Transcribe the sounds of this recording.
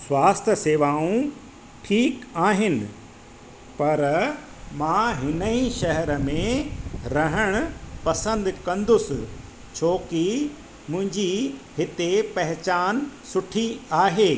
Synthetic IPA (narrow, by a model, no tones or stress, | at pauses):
sʋaːst̪ʰəseːʋaːũ | ʈʰiːkaːɦɪnɪ̆ | pɐɾ | mãːɦɪnəĩʃɐɦɛɾəmẽɾɐɦəɽ̃ʊ̆pɐsə̃nd̪kɐ̃nd̪ʊsɪ̆ | t͡ɕʰoːki | mʊ̃ɦɪ̃ɲd͡ʑiɦɪt̪epɐɦɪt͡ɕaːnsʊʈʰiaːɦeː